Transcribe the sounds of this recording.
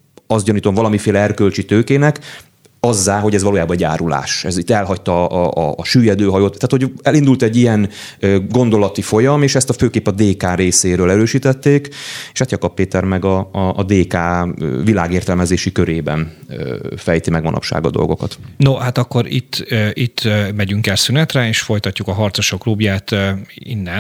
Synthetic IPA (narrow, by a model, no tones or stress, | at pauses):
ɒsd̪ɟɒniːt̪o̞ɱvɒlɒmifeːlɛɛrkølt͡ʃit̪øːkeːnɛk | ɒzːaːɦo̞ɟɛzʋɒloːjaːbɒɛɟa̰ːɾula̰ːʃɛzit̪ːɛlɦɒct̪ɒʔːʃyːjɛd̪øːɦɒjoːt̪ːaːt̪ho̞ɟɛlind̪ult̪ɛɟːijɛnøɡo̞nd̪o̞lɒt̪ifo̞jɒmeːʃɛst̪ɒføːkeːpɒd̪eːkaːɾeːseːɾøːlɛɾøːʃiːt̪ɛt̪ːeːkeʃhaːt̪jɒkɒpːeːt̪ɛrmɛɡɒːd̪eːkaːvila̰ːɡeːrt̪ɛlmɛzeːʃikøɾeːbɛ̰n | fɛjt̪imɛɡʋɒ̰nʔɒ̰pʃa̰ːɡɒ̰d̪o̞̰lɡo̞̰kɒt̪nohat̪ɒkːoɾḭt̪ːøʔit̪ːmɛɟyŋkɛlsynɛt̪rɛeːʃfo̞jt̪ɒcːukɒɦɒrt̪soʃoklubjaːt̪ːḭnːɛ